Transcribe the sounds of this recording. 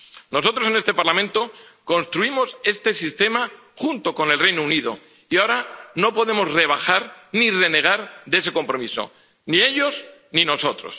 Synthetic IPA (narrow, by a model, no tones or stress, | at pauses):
no̞s̬o̞t̪ɾo̞se̞nest̪e̞paɾlamẽ̞nt̪o̞ko̞nst̪ɾuimo̞se̞st̪e̞sist̪e̞ma | xunt̪o̞ko̞ne̞lre̞jnouniðo̞̰ | iaoɾano̞po̞ðe̞mo̞zre̞β̞axaɾnire̞ne̞ɣ̞aɾðe̞se̞ko̞mpɾo̞miso̰ | nie̞ʎo̞snino̞so̞t̪ɾo̞̰s